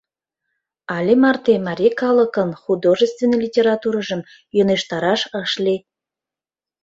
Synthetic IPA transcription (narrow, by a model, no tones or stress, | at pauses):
ɑlʲemɑrt̪emɑɾʲekɑlˠəkənχud̪oʒəst̪vʲenːelʲitʲeɾɑt̪uɾɑʒə̆m | joneʃt̪ɑɾɑʃəʃlʲe